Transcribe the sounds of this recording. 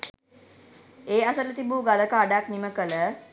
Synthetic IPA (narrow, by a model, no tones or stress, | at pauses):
eːasələt̪ibuːɡaləkaːɖakniməkələ